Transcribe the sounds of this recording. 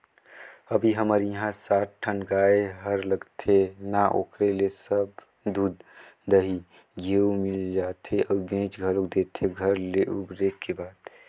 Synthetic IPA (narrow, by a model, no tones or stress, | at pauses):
əbʱiɦəməɾjəɦãsaːʈ̚ʈʰənɡaːeɦəɾləɡt̪ʰenaʔo̰ːkɾelesəb | d̪uːd̪d̪əɦi | ɡʱeumɪld͡ʒaːt̪ʰeʔɔːɾbẽt͡ʃɡʱəlok̚d̪et̪ʰeɡʱəɾleʔubɾekːebaːt̪